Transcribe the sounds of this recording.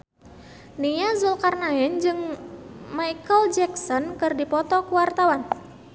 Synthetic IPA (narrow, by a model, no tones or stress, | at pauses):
nijazulkarnaɛnd͡ʒɨŋ | majkəld͡ʒɛksɔnkɨrdipɔt̪ɔkuwart̪awan